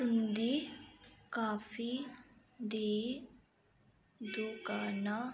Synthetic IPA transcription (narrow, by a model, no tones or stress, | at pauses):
sund̪i | kaːfi | d̪eː | d̪ukaːna